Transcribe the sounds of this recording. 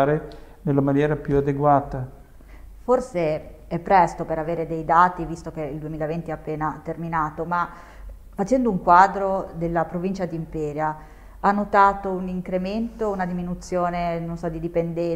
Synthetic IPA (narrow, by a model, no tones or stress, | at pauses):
ɾe | nelːamanjɛːɾapjuad̪eɡwaːt̪a | forse | ɛpːɾɛst̪opeɾaveːɾed̪ejd̪aːt̪ivist̪ok̟eild̪uemiːlavent̪iapːeːnat̪erminaːt̪oma | fat͡ʃɛnd̪ouŋkwaːd̪ɾod̪elːapɾovint͡ʃad̪iːmpɛːɾja | anːot̪aːt̪ouniŋkɾement̪ounad̪iminut̪sːjoːnenonsɔd̪id̪ipend̪ɛ